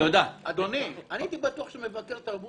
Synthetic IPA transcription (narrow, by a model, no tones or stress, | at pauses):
jod̪aad̪o̞nianit̪ibat̪uaχʃemevakeʁt̪aʁbu